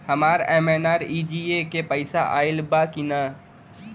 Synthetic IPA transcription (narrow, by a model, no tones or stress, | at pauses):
hɐmaːɾeːmeːnaːɾiːd͡ʒiːekepəɪsa̰ʔa̰ːɪlbakina